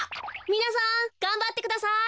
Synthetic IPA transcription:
minas̬ãŋkãmbat̪ːekɯd̪asa

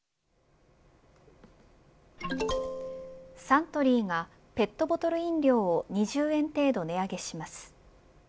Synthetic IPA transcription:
sãnt̪o̞ɾʲiːŋa | pe̞t̪ːo̞bo̞t̪o̞ɾɯ̟ĩnɾʲo̞ːoɲ̟iʑɨːẽ̞nt̪e̞ːd̪o̞ne̞aɡe̞ɕimasɨ̥

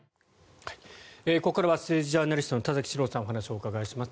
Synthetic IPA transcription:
hai̥eːko̞kːaɾaβasɨːd͡ʑiʑaːnaɾʲist̪o̞not̪azakʲi̥ɕiɾo̞ːsãoɦanaɕio̞ːkaɡaiɕimasɨ̥

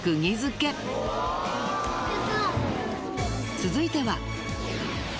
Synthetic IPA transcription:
kɯ̟ɲʲizɨke̞ | t͡sɨzɨit̪e̞βa

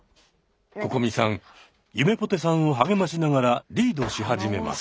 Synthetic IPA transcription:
ko̞ko̞mʲisãŋ | jɯme̞po̞t̪e̞sãɰ̃o̞ɦaɡe̞maɕinaɡaɾaɾʲiːd̪o̞ɕiɦad͡ʑime̞̰ma̰s

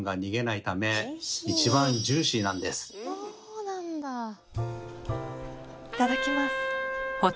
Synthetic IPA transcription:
ŋɡaɲ̟iɡe̞nait̪ame̞it͡ɕibãɲd͡ʑɨːɕinãnd̪e̞sɨ̥oːnãnd̪a | it̪ad̪akʲimasɨ̥ko

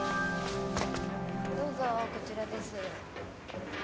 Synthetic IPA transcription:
d̪o̞ːzoko̞t͡ɕiɾad̪e̞sɨ

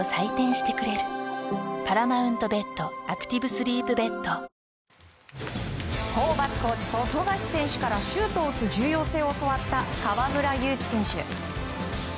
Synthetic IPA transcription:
osait̪ẽɰ̃ɕi̥t̪e̞kɯ̟ɾe̞ɾɯ̟̥ | paɾamaɯ̟̃nt̪o̞be̞t̪ːo̞akɯ̥t̪ʲibɯ̟sɨɾʲiːpɯ̟be̞t̪ːo | hoːbasɨ̥ko̞ːt͡ɕi̥t̪o̞t̪o̞ɡaɕi̥sẽ̞ɕɨ̥kaɾaɕɨːt̪o̞ːt͡sɨd͡ʑɨːjo̞ːse̞ːoso̞βat̪ːakaβamɯ̟ɾajɯ̟ːt͡ɕi̥sẽ̞ɰ̃ɕɨ̰

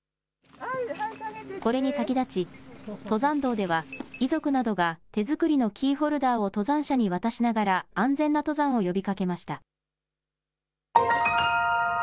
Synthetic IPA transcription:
ko̞ɾe̞ɲ̟isakʲid̪at͡ɕit̪o̞zãnd̪o̞ːd̪e̞β̞aizo̞kɯ̟nad̪o̞ɡat̪e̞zɨkɯ̟ɾʲino̞kʲiːɦo̞ɾɯ̟d̪aːo̞t̪o̞zãɰ̃ɕaɲ̟iβat̪aɕinaɡaɾaãnd͡zẽ̞nːat̪o̞zãɰ̃o̞jo̞bʲikake̞maɕi̥t̪a

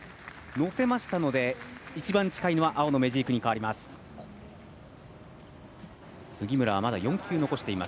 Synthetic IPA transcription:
no̞se̞maɕi̥t̪ano̞d̪e̞it͡ɕibãɲ̟t͡ɕi̥kaino̞βaʔao̞no̞me̞ʑiːkɯ̟ɲ̟ikaβaɾʲimasɨ̥ | sɨɡʲimɯ̟ɾaβamad̪ajõ̞ŋkʲʰɨːno̞ko̞ɕi̥t̪e̞ima̰s

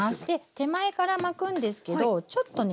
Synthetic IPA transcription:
st̪e̞t̪e̞mae̞kaɾamakɯ̟̃nd̪e̞sɨ̥ke̞d̪o̞t͡ɕo̞t̪ːo̞n

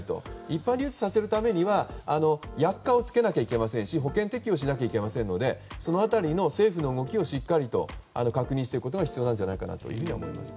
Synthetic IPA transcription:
t̪o̞̰ipːãnɾʲiɯːt͡sɨ̥sase̞ɾɯ̟t̪ame̞ɲ̟iβaano̞jakːao̞t͡sɨ̥ke̞nakʲaike̞masẽɰ̃ɕiɦo̞kẽ̞nt̪e̞kʲio̞ɕ̬inak̬ʲaike̞masẽ̞nːo̞d̪e̞so̞no̞at̪aɾʲino̞se̞ːɸɯ̟no̞ɯɡo̞k̬ʲio̞ɕikːaɾʲit̪o̞̰a̰no̞kakɯ̟ɲ̟ĩɕit̪ekɯkot̪oɡaçi̥t͡sɨijo̞nãnd͡ʑanaikana̰t̪o̞̰jɯ̟ɸɯ̟ɲ̟iaomo̞̰ḭma̰sɨ̥

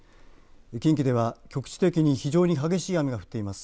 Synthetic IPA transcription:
ekʲĩŋkʲid̪e̞βakʲo̞kɯ̟̥t͡ɕi̥t̪e̞kʲiɲ̟içiʑo̞ːɲ̟iɦaɡe̞ɕiːamʲiɡaɸɯ̟̥t̪ːe̞imasɨ̥

